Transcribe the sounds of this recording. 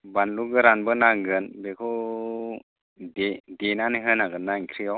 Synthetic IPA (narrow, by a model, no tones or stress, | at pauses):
banluɡɯɾanbənaɡɯnbekʰɔ | dedenaniɦənaɡɯnːaiŋkʰɾijɔ